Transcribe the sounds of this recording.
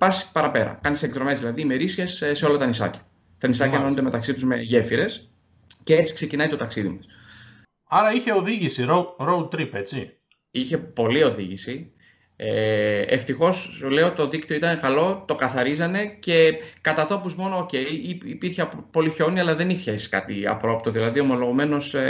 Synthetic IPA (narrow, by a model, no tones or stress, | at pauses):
pɐsi̥pɐɾɐpe̞ɾɐ̰kɐnsek̚t̪ɾo̞me̞zðilɐðiːmeɾisie̞sseo̞lɐt̪ɐnisɐ̰cɐ̥ | t̪ɐnisɐcɐnonund̪eme̞t̪ɐksit̪uzme̞ʝe̞fiɾe̞s | ce̞et͡si̥kse̞cinɐjt̪ot̪ɐksiðimɐs | ɐɾɐiçe̞oðiʝisiɾoɾout̪ɾipe̞t͡si | içe̞po̞lio̞ðiʝisi | eḛft̪ixo̞sle̞o̞t̪o̞ðikt̪ioit̪ɐne̞kɐlo̞t̪o̞kɐθɐɾizɐne̞ce̞kɐt̪ɐt̪o̞puzmo̞no̞ːce̞jːpiɾçeɐppo̞liço̞niɐlɐðe̞niçesi̥kɐ̰t̪iɐ̰pɾo̞pt̪o̞ðilɐðio̞mo̞lo̞ɣome̞no̞s